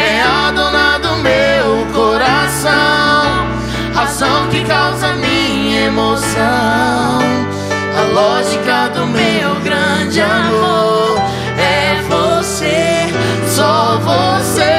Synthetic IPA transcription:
ɛad̪onad̪ʊmewkoɾasɐ̃w̃ | hazɐ̃w̃kɪkawzɐmĩ | ɐemosɐw̃ | ɐlɔʒikɐd̪ʊmewɡɾɐ̃d͡ʒɪamoɾɾ | ɛvose | sɔvose

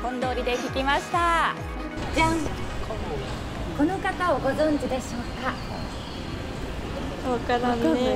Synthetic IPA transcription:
hõ̞nd̪o̞ːɾʲid̪e̞kʲikʲimaɕi̥t̪a | d͡ʑã | k | ko̞no̞kat̪aoɡo̞zõ̞ɲ̟d͡ʑid̪e̞ɕoːka | βakaɾan

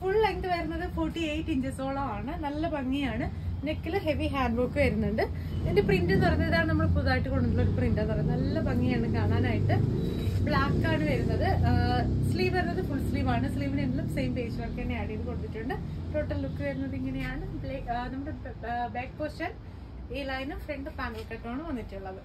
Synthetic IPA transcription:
fuɭːɐjŋʈɨʋɐɾunːɐðɨfoːʈːiejʈːiɲd͡ʑɐso̞ːɭɐmaːɳɨnɐlːɐpɐŋːijaːɳɨ | nekːɐlɨɦe̞ʋiɦaːɳɖbukːɨʋɐɾunːuɳɖɨ | endeprindɨt̪uɐrɐɲːɐɐðaːɳɨnɐmːuɭɨpuðaːjiʈːɨkoɳɖunilːoɾuprindɐnɐrɐɲnːnɐlːɐbɐŋːijaːɳɨkaːɳaːnaːjiʈːɨ | bɭaːkːaːɳɨʋɐɾunːɐðɨ | sliːʋʋɐɾnːɐðɨfuɭsliːʋaːɳɨsliːʋineŋɡilumsejmpeːɕɐʋɐrkːenːejaːɽijɐðɨkoɽut̪ːiʈːuɳɖɨʈo̞ːʈːɐlːukːɨʋɐɾunːɐðiŋːɐnejaːɳɨblenɐmːɐɽbeːk̚poːstɐr | eːlɐjnumfreɳɖɨpaːŋɡɐlkːɐʈːoːɳɨʋɐnːiʈːuuɭːɐðɨ

